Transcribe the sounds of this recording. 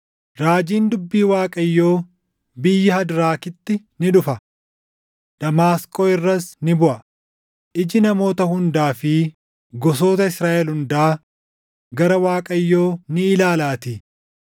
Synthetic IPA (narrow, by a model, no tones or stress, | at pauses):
ɾaːd͡ʒiːnd̪ʊbːiːwaːkʼɐjːo̞ː | bɪjːɪhɐd̪ɾaːkɪt̪ːɪ | nɪᶑʊfɐ | d̪̥ɐmaːskʼoːɪrːɐsnɪbʊʔɐ | ʔɪd͡ʒɪnɐmo̞ːt̪ɐhʊnd̪aːfɪ | ɡɔs̬o̞ːt̪ɐɪsɾaːʔɛlhʊnd̪aː | ɡɐɾɐwaːkʼɐjːoːnɪːlaːlaːt̪ɪ